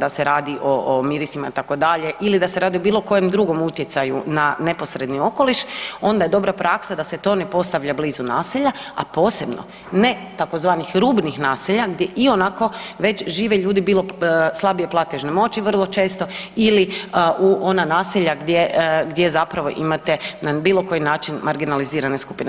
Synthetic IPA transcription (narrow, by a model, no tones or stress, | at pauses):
d̪ase̞ɾaːd̪iʔomiɾisimait̪ako̞d̪aʎe̞ʔilid̪aseɾaːd̪io̞biːlˠo̞ko̞jemd̪ɾuɡo̞mut̪je̞t̪sajunane̞po̞sɾe̞d̪nio̞ko̞liʃo̞nd̪aje̞d̪o̞bɾapɾaksad̪aset̪o̞ne̞po̞st̪aʋʎabliːzuna̰ːsiʎaa̰po̞ːse̞bno̰ | ne̞t̪ako̞zʋaːnixɾuːbnixnaːsiʎaɡd̪jeʔio̞nako̞ʋe̞t͡ɕʒiːʋeʎuːd̪ibiːlˠo̞slˠabieplˠat̪eʒnemo̞t͡ɕiʋərlˠo̞t͡ʃe̞ːst̪o̞iliʔuʔo̞nanaːsiʎaɡd̪jeɡd̪je̞zapɾaʋo̞̰ʔimat̪enabiːlˠo̞ko̞jinaːt͡ʃinmaɾɡinaliziːɾaneskupine